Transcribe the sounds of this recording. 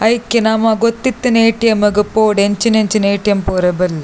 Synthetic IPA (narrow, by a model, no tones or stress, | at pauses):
ɐjkːinamaɡot̪ːit̪ːineːʈːijɐmɐɡɯpːoːɽeɲt͡ʃineɲt͡ʃineːʈːijɐmpoːɾɐbɐl